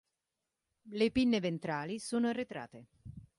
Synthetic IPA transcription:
lepinːevent̪ɾaːlisuːnoret̪ɾa̰ːt̪e

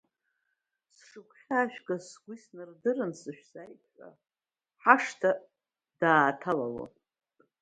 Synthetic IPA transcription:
sʂɨkʷʰʼħaːʃᶣɡʼasɡʷisnɨrdɨɾɨnsɨʃᶣsajpʰʷʼa̰ | ħaʂtʰa | d̥aːtʰalalo̰

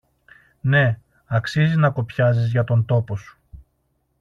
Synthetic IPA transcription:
ne̞ | ɐksizinɐko̞pçɐzizʝɐt̪o̞nt̪o̞po̞su̥

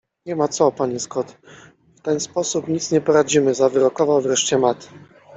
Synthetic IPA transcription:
ɲɛmat̪sɔpaɲiskɔt̪ | ft̪ɛnspɔsupɲit̪sɲɛpɔɾad͡ʑimɘzavɘɾɔkɔvawvɾɛʂt͡ɕɛmat̪

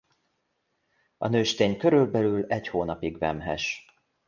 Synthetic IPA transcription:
ɒ̰nøːʃt̪eːɲkø̞ɾylbɛlylɛɟhoːnɒpiɡvɛmɦɛ̰ʃ

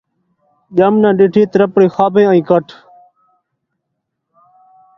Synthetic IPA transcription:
ʄəmnãːɖɪʈʰiːt̪ɾəpɽiːxaːbẽːãːĩːkəʈʰ

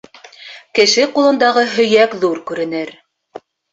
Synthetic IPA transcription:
kɘ̆ʃɘqulˠɤ̆nd̪ɑʁɤɦɵ̆jækðuɾkʉɾɘ̆nɘɾ

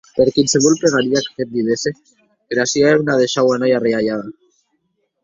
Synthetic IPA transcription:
eɾkinseɣulpɾeɣaɾiakḁket̪̚d̪iðese | keɾasiaeunað̞eʃawanajareaʎaða

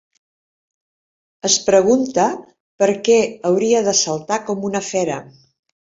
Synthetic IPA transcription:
əspɾəɣ̞unt̪ə | pəɾkɛəwɾiəðəsəlˠt̪akɔmunəfɛɾə̰

